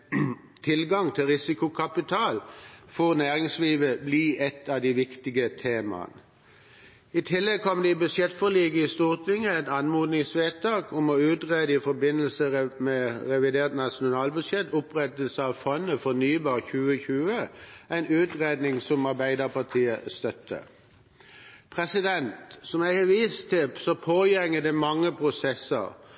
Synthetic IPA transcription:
t̪ʰɪlɡɑŋt̪ʰɪlʁɪsɪkʊkʰɑpɪt̪ʰɑːlfɔʁnæːʁɪŋsliːʋəbliːʔɛt̪ɑd̪iʋɪkt̪ɪɡət̪ʰeːmɑ̰n | ɪt̪ʰɪlːɛɡ̚kʰɔmd̪ɛɪbʉd̪ʂjɛt̪fɔliːɡəɪst̪uːʁt̪ʰɪŋːəæɪt̪ɑnmuːd̪nɪŋsʋeːt̪ɑːkʊmɔʉːt̪ʁeːd̪əɪfɔbɪnəl̩səmɛʁɛʋɪd̪eːʁt̪nɑʂʊnɑːlbʉd̪ʂjɛt̪ʊpʁɛt̪əlsəɑʋfɔnːəfɔnyːbɑːʁçʉːəçʉːəæɪnʉːt̪ʁeːd̪nɪŋsɔmɑʁbæɪd̪əʁpʰɑʁt̪ʰiːəst̪œt̪ʰːə̰ | pʰʁɛsɪd̪ɛnt̪sɔmæɪhəʋiːst̪ʰːɪsɔpʰoːjɛŋːəd̪ɛmɑŋːəpʰʁʊsɛsə̰ʁ

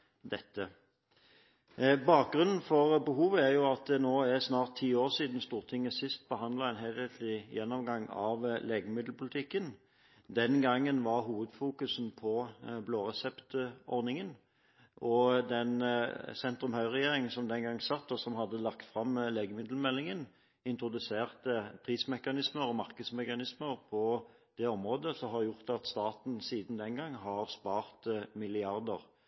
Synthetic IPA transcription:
d̪ɛt̪ːə | bɑːk̚ɡʁʉnn̩fɔʁbəɦuːʋəæʁjʊɑt̪̚d̪ɛnoːæʁsnɑːʁt̪ʰːiːoːʁsiːd̪n̩st̪uːʁt̪ʰɪŋːəsɪst̪̚bəhɑnd̪lɑɛnɦelɛt̪ʰlɪjɛnːɔmɡɑŋɑʋleːɡəmɪd̪l̩pʰʊlɪt̪ʰɪkːən | d̪ɛnɡɑŋːənʋɑʁɦuːʋəd̪fuːkʉsn̩pʰɔbloːʁɛsɛpt̪ɔʁnɪŋən | ʔɔd̪ɛnsɛnt̪ɾʉmhœʏʁɛjeːʁɪŋənsɔmd̪ɛnɡɑŋsɑt̪ːɔsɔmɦɑd̪ːəlɑkt̪fʁɑmleːɡəmɪd̪l̩mɛlːɪŋən | ɪnt̪ɾʊd̪ʉseːʁt̪əpʰʁiːsmɛkɑnɪsməʁɔmɑʁkəd̪smɛkɑnɪsməʁpʰɔ | d̪̥ɛɔmʁoːd̪əsɔɦɑɾjʊʁt̪ɑt̪st̪ɑːt̪n̩siːd̪nd̪ɛnɡɑŋːɦɑʁspɑːʁt̪mɪlɪɑʁd̪ə̰ʁ

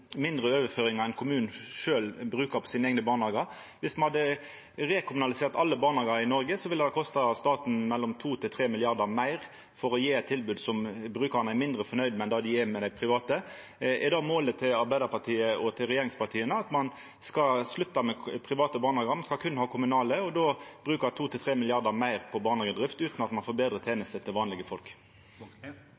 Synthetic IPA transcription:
mɪnd̪ʁəøːʋəføːɾɪŋɑɛnkʰʊmʉːnn̩ʂøːlbɾʉːkəpʰɔ̥siːnəɛɡnəbɑːnɑːɡɑɾ | ʋɪsmɑnhɑd̪ːə | ʁeːkʰɪmʉnɑlɪseːʁt̪ɑlːəbɑːʁnɑːɡɑɾɪnɔɾɡəsɔʋɪlːəd̪ɛkʰɔst̪ɑst̪ɑːt̪n̩mɛlːɔmt̪ʰuːt̪ʰɪlt̪ʰʁeːmɪlɪɑʁd̪əɾmæɪʁ | fɔɾɔjeːɛt̪ʰːɪlbʉːd̪sɔmbɾʉːkənəæmɪnd̪ɾəfɔnœʏd̪mɛnd̪ɑd̪ɪɛmɛd̪æɪpʰʁɪʋɑːt̪ə | ʔɛd̪ɑmoːlət̪ʰːɪlɑɾbæɪd̪əɾpɑʁt̪ʰiːəʔɔt̪ʰɪlʁɛjeːʁɪŋspɑʁt̪ʰiːənəɑt̪mɑn | skɑslʉt̪ːɑmɛpʰɾɪʋɑːt̪əbɑːʁnɑːɡɑmɑnskɑlkʰʉnːhɑːkʰʊmʉnɑːləɔd̪oːb̥ɾʉːkət̪ʰuːt̪ʰɪlt̪ʰɾeːmɪlɪɑʁd̪əmæɪʁpʰɔbɑːnɑːɡəd̪ʁɪft̪ʉːt̪nɑt̪mɑnfoːbeːd̪ɾʁət̪ʰeːnəst̪ət̪ʰɪlʋɑːnlɪɡəfɔlk

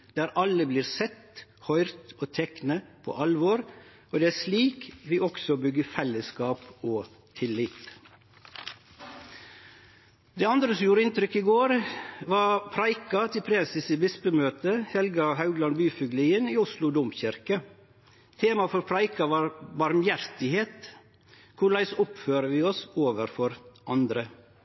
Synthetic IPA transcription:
d̪̥æːɾɑləbliːɾsɛt̪hɔʏɾt̪oːt̪ʰɛknəpʰo̰ːʔɑlʋoːɾ | oːd̪ɛːæːɾʂliːkʋɪːʔɔksɔbʏɡːəfɛlːəskɑːpoː | t̪ʰɪlːɪt̪ | d̪ɛːɑnd̪ɾəsɔmjuːɾəɪnt̪ɾʏkːɪɡoːɾʋɑːpʰɾɑɪkɑt̪ʰɪlpʰɾɛːsɪsiːbɪspəmøːt̪əhɛlɡɑhɑʉɡlɑnbyːfʏɡliːəniːʊslʊd̪ʊmçɪɾkə | t̪ʰeːmɑfɔɾpʰɾɑɪkɑbɑɾmjæɾt̪ɪheːt̪ | kʰʊɾɭæɪsʊpføːɾəʋiːɔsoːʋəɾfɔɾʔɑnd̪ɾə

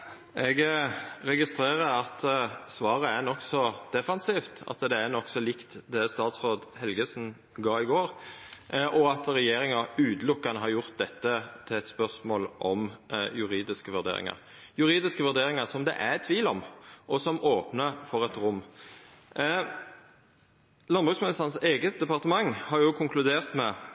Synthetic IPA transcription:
ʔɛɡɾɛɡɪst̪ɾeːɾəɾɑt̪ʰsʋɑːʁəæɾnɔksɔd̪̥ɛfɑnsiːft̪ɑ̰t̪d̪ɛæɾnɔksɔlɪkt̪d̪ɛst̪ɑːt̪sʁoːd̪hɛlɡəsn̩ | ɡɑːɾɪɡoːɾ | ʔɔɑt̪ɾɛjeːɾɪŋɑʉːd̪lʊkːɑnəɦɑɾjʊʁt̪̚d̪ɛt̪ːət̪ʰɪlɛt̪spœʁsmoːlʔɔmjʉɾiːd̪ɪskəʋʉɾd̪ḛːɾɪ̰ŋɑ̰ɾ | jʉɾiːd̪ɪskəʋʉɾd̪eːɾɪŋɑsɔmd̪ɛ̰ʔæt̪ʰʋiːlɔmʔɔsɔmoːpnəfɔʁɛt̪ɾʊmː | lɑnbʁʉːsmɪnɪsɑnseːɡət̪̚d̪ɛpɑʁt̪əmɑŋːhɑɾjʊkʰʊŋklʉd̪eːʁt̪mɛ

